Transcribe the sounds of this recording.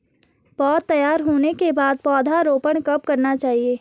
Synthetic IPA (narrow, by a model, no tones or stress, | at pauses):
b̥ɔːt̪ːɐjaːɾɦoːnekebaːd̪̚pɔːd̪ʱaɾoːpəɳ̃kɐp̚kɐɾnat͡ʃaːɦieː